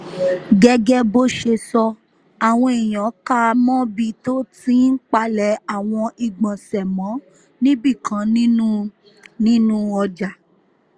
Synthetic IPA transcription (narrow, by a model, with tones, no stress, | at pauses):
ɡɛ˧ɡɛ˦bo˦ʃe˧sɔ˧ | a˨w̃ɔ̃˧i˨j̃ɔ̃˨˦ka˦mɔ̃˦bi˧to˦ti˦n̩˦k͡pa˧lɛ˨˦a˦˨w̃ɔ̃˧ʔi˨ɡ͡bɔ̃˨sɛ˨mɔ̃˨˦ | nĩ˦bi˦˨kʰã˨˦nĩ˦ũ˦ | nĩ˦nũ˦ɔ˧d͡ʒa˨